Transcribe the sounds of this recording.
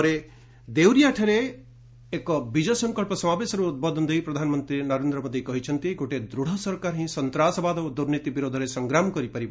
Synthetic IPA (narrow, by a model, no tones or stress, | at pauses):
ɔɾe | d̪ewɾijaʈʰeɾeː | kɔbid͡ʒɔsɔŋkɔɭpɔsɔmabesɔɾuːt̪̚bɔd̪ɔnd̪ejpɾɔd̪ʱanɔmɔnt̪ɾinɔɾend̪ɾɔmɔd̪ikɔɦit͡ʃʰɔnt̪iɡoʈed̪ɾuɽ̤ɔsɔɾkaɾɦĩsɔnt̪ɾasɔbad̪ɔod̪uɾnit̪ibiɾod̪ʱɔɾesɔŋɡɾamkɔɾipaɾib